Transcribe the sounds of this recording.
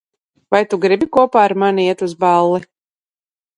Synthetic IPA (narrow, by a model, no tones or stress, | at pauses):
vajt̪uɡɾibikuɔpaːaɾmaniiɛt̪uzbalˠːi